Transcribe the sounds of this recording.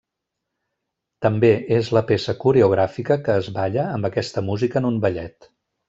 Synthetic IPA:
t̪əmbeezləpesəkuɾeuɣ̞ɾafikəkəːzβaʎəːmbəkɛst̪əmuzikəːnumbəʎɛt̪

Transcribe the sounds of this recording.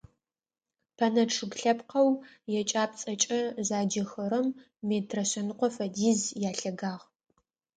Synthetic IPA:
pʰɐnɐʈ͡ʂʰɨɡɬɐpqɐw | jɛt͡ʃʼaːp̚t͡sʼɐt͡ʃʼɐzaːd͡ʒɐxɐɾɐmː | eːtʰrɐɕɐnɨqʷɔfɐdiːzjaːɬɐɡaːʁ

